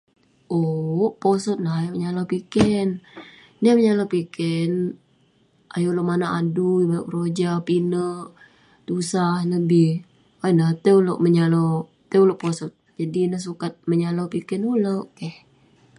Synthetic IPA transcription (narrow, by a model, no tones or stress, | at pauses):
ʔoʔposɔt̪̚nahjaʔməɲalopikɛn | niaməɲalopikɛn | ʔajoʔloʔmanaʔadujməlaʔɾod͡ʒapinəʔ | t̪usahnəbɪh | wanaht̪eulo̰ʔməɲalo | t̪əuloʔposɔt̪̚d͡ʒadinəhsukat̪̚məɲalopikɛnuloʔkɛh